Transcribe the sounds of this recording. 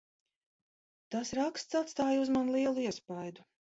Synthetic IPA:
t̪asɾakst̪sat̪st̪aːjuzmanlˠiɛlˠuiɛspajd̪u

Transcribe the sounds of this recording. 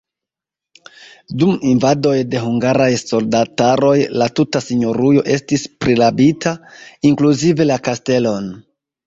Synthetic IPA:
duminvado̞jde̞ɦuŋɡaɾajso̞ldataɾo̞jlatutasiɲo̞ɾujo̞ʔe̞stispɾilabitʰaiŋkluzive̞lakaste̞lo̞n

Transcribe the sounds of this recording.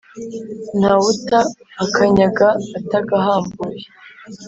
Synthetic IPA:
n̥hawutaːkʰaɲaɡaːtaɡaɦaːmbuje

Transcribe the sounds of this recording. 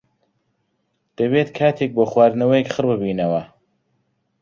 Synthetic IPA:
d̪̥ɐbeːt̪kʰaːt̪ʰek̚boːχwaːɾnɐwɐjekχɨrbɨbiːnɐwɐ

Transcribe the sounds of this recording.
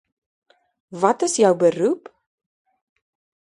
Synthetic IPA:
vɐtəsjœwbəɾup

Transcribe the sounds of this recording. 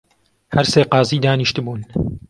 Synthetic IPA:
hɐɾseːqɑːziːd̪aːniʃt̪ɨbuːn

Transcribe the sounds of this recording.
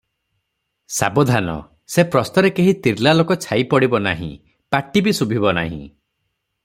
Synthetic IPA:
sa̰bɔd̪ʱanɔ̰ | sepɾɔst̪ɔɾekeɦit̪iɾlalokɔt͡ʃʰajpɔɽibɔna̰ɦḭ̃ | paʈibisubʱibɔna̰ɦḭ̃

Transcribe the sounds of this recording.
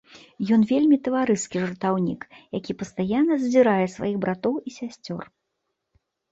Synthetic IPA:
jɔnvʲelʲmʲit̪ɐvaɾɨskʲiʐɐrt̪awnʲḭkjakʲipɐst̪ajanːɐzzʲiɾajɛsva̰jiɣbɾat̪ɔwisʲasʲt͡sʲɔ̰r

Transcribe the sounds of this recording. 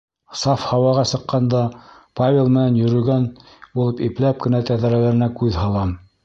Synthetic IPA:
sɑfhɑwɑʁɑsɤ̆qːɑnd̪ɑpavʲelˠmɘ̆nænjɵ̆ɾɵ̆ɡæn | bulˠɤpiplæp̚kɘ̆næt̪æðæɾælæɾɘ̆nækʉðhɑlˠɑm

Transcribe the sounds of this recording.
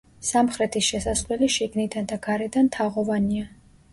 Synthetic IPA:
samχɾɛt̪ʰisʃɛsaslɛliʃiɡnid̪and̪aɡaɾɛd̪ant̪ʰaʁɔvania

